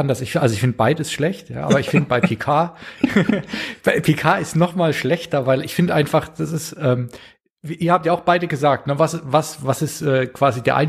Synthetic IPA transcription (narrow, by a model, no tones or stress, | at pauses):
andɐsɪçʔalzoɪçfɪndəbaɪdəɪstʃlɛçtja̰ːʔa̰ːbɐɪçfɪndəbaɪpʰeːkʰaː | b̥aɪpʰekʰaːɪstnɔχmaːlʃlɛçtɐvaɪlɪçfɪndəʔaɪnfaχd̥asɪstʔɛːm | viʔiːɐhaːp̚tjaːaʊxb̥aɪdəɡəzaːk̚tnəvasvasvasɪstʔɛːkv̥aːzideːɐʔaɪn